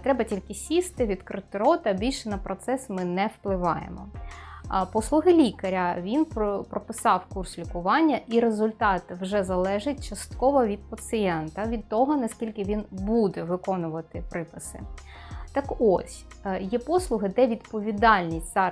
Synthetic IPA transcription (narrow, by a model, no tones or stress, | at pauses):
t̪ɾɛbɐtʲilʲkɪsʲist̪ɪʋʲid̪kɾɪt̪ɪɾɔt̪ɐbʲilʲʃɛnɐpɾɔt̪sɛsmɪnɛwplˠɪʋɑjḛmɔ̰ | pɔslˠʊɦɪlʲikɐɾʲɐʋʲinppɾɔpɪsɑwkurslʲikʊʋɑnʲːɐʔiɾezʊlʲt̪ɑt̪wʒɛzɐlˠɛʒɪt̚ʲt͡ʃɐst̪kɔʋɔʋʲid̪̚pɐt̪sɨjɛnt̪ɐʋʲid̪̚t̪ɔɦɔnɐsʲkʲilʲkɪʋʲinbud̪ɛʋɪkɔnʊʋɐt̪ɪpɾɪpɪsɪ̰ | t̪ɐkɔsʲ | jɛpɔslˠʊɦɪd̪ɛʋʲid̪pɔʋʲid̪ɑlʲnʲisʲtʲzɑ